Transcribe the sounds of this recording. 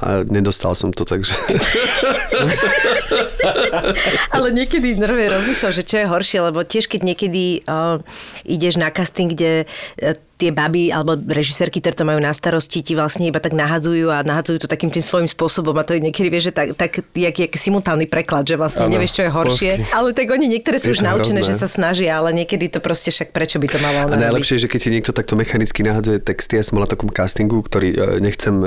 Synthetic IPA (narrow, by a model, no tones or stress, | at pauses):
a̰ɲɛd̪ɔst̪a̰lsɔmt̪ɔt̪aɡʒɛ | alɛɲɪɛkɛd̪inɔɾʋɛjɾɔzmiʃlalʒɛt͡ʃɔjɛɦɔɾʃɪɛlɛbɔcɪɛʃkɛɟɲɛkɛd̪i | ʔiɟɛʒnakast̪iŋɡɟɛ | t̪ɪɛbabia̰lɛbɔɾɛʒisɛɾkik̚t̪ɔɾɛːt̪ɔmajuːnast̪aɾɔsciciʋlasɲɛibat̪aɡnaɦad͡zujuːanaɦad͡zujut̪ɔt̪akiːmt̪imsʋɔjimspʊɔsɔbɔmat̪ɔjɛɲɛkɛd̪iʋɪɛʒɛt̪akt̪akiakiːakɛsimut̪aːlnipɾɛklad̪ʒɛʋlasɲɛɲɛʋʋɪɛʃt͡ʃɔjɛɦɔɾʃɪɛalɛt̪aɡɔɲiɲɛkt̪ɔɾɛːsuuʒnaut͡ʃɛnɛːʒɛsasnaʒɪaːlɛɲɪɛkɛd̪it̪ɔpɾɔscɛfʃak̚pɾɛt͡ʃɔbit̪ɔmalalananaajlɛpʃɪɛʒɛkɛciɲɛkt̪ɔt̪ak̚t̪ɔmɛxanit͡skinaɦad͡zujɛt̪ɛkst̪iasɔmɔlat̪ɔkɔmkast̪iŋɡuktt̪ɔɾiːɲɛxt͡sɛm